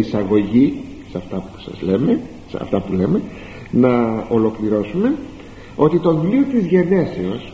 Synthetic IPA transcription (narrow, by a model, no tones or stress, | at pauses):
isɐɣo̞ʝi | sɐft̪ɐpu̥sɐ̰zle̞me | sɐ̰ft̪ɐpule̞me̞ | nɐo̞lo̞kliɾo̞sume̞ | o̞t̪it̪o̞viliot̪izʝene̞seo̞s